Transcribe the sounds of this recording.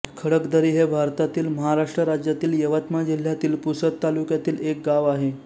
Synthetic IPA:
kʰəɽəkd̪əɾiːɦebʱaɾt̪at̪iːlməɦaɾaʂʈɾəɾad͡ʑjat̪iːljəʋət̪mad͡ʑil̤jat̪iːlpusət̪t̪ːalukjat̪iːlek̚ɡaʋaɦe

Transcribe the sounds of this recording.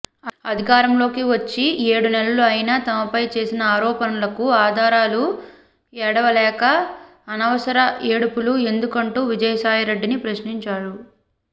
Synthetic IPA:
ɐd̪ʱikaːɾɐmlo̞ːkiʋɐt͡ʃːie̞ːɽunɛlɐluɐjnaːt̪ɐmɐpɐjt͡ʃe̞ːsinɐaːɾɔːpɐnɐlɐkuaːd̪ʱaːɾaːlu | ɛɽɐʋɐlɛːkɐː | nɐʋɐsɐɾɐeːɽupulue̞nd̪ukɐɳʈuːʋid͡ʒɐjɐsaːjɐɾe̞ɖːinipɾɐʃniɲt͡ʃaːɽu

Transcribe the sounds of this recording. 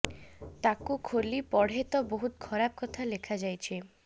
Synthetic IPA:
t̪akokʰolipɔɽɦet̪oboɦut̪̚kʰɔɾap̚kɔt̪ʰalekʰad͡ʑajt͡ɕʰe

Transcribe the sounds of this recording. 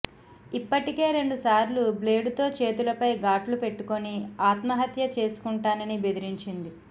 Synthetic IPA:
ipːɐʈike̞ːɾe̞ɳɖusaːɾluble̞ːɖut̪o̞ːt͡ʃe̞ːt̪ulɐpɐjɡaːʈlupe̞ʈːuko̞niaːt̪mɐɦɐt̪jɐt͡ʃe̞ːsu̥kuɳʈaːnɐnibe̞d̪iɾiɲt͡ʃind̪i

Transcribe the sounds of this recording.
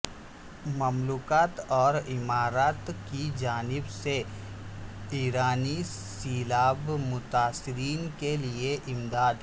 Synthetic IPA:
mɐmluːkaːt̪ɔːɾɪmaːɾaːt̪kid͡ʒaːnɪbse | iːɾaːni | siːlaːbmʊt̪aːsɪɾiːnkelieʔɪmd̪aːd̪ɦ

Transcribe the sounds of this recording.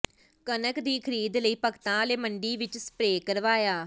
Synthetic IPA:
kənəkd̪iːkʰəɾiːd̪ləiːpəkt̪ãːleːməɳɖiːʋɪt͡ʃsə̥pɾeːkəɾʋaːjaː

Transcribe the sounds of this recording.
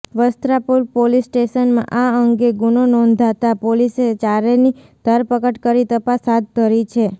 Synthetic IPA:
ʋəst̪ɾapuɾpolisːʈeʃənmã̰ʔaəŋɡeɡunonɔ̃nd̪ʱat̪apoliset͡ʃaɾeni | d̪̥ʱəɾpəkəʈkəɾit̪əpasɦad̪̚ːəɾit͡ʃʰe

